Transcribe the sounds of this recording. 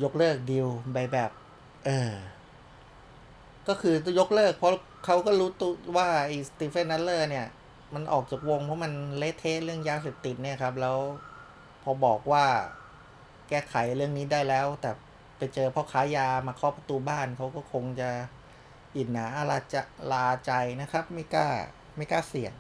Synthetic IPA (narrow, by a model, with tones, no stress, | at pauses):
jo˦˥k̚lɤː˥˩k̚di˧wba˧jbɛː˨˩p̚ | ʔɤː˧ | kɔː˥˩kʰɯː˧jo˦˥k̚lɤː˥˩k̚pʰɔ˦˥ | kʰa˦˥wkɔː˥˩ɾuː˦˥t̪uː˧waː˥˩ʔa˧˩jst̪iː˧˥˩fe˥˩nːa˦˥llɤː˥˩ni˥˩ɐ | ma˧nʔɔ̰ː˨˩k̚t͡ɕaː˨˩k̚wo˧ŋpʰɔ˦˥ma˧nleː˦˥t̪ʰːeː˦˥ʔlɯ˥˩əŋjaː˧seː˨˩p̚t̪i˨˩t̪̚ni˥˩ɐkʰa˦˥p̚lɛː˦˥w | pʰɔː˧bɔː˨˩k̚waː˥˩ | kɛː˥˩kʰa˩˦jɾɯ˥˩əŋniː˦˥daː˥˩jlɛː˦˥wt̪ɛː˨˩ | pa˧jt͡ɕɤː˧pʰɔː˧˥˩kʰaː˦˥jaː˧maː˧kʰɔ˦˥˩pa˧t̪uː˧baː˥˩nkʰa˦˥wkɔː˥˩kʰo˧ŋt͡ɕa˨˩ | ʔi˨˩t̪̚naː˩˦ʔa˧˩laː˧t͡ɕa˧˩laː˧t͡ɕa˧jna˦˥kʰa˦˥p̚ma˥˩jka̰ː˥˩ | ma˥˩jkaː˥˩si˨˩əŋ